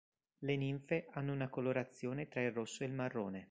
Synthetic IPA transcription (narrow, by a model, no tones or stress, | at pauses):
leniɱfeʔanːounakoloɾat̪sːjoːnet̪ɾailrosːoelmarːoːne